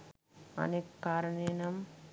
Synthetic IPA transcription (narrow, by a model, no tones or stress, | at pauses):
ɐ̰nekkaːɾɐɳeːnɐm